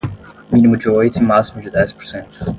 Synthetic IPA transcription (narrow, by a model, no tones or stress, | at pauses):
mĩnimʊd͡ʒiojt̪ʊimasimʊd͡ʒɪd̪ɛspo̥ɾsẽnt̪ʊ̥